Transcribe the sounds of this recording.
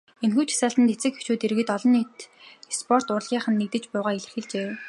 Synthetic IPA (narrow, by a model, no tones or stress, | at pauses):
enxuːt͡ɕ̪ʰḁsaːɬt̪ə̆nt̪et͡sɘ̆kxe̥t͡ɕuːt̪eɾɣɘ̆t̪ɔɮɞ̆nit̪spʰɔr̥t̪ʊːr̆ɮʁʲiːɴχə̆nːek̚t̪ɘ̆t͡ɕpʊːʁaːiɮɘ̆xɘ̆ɮt͡ɕeː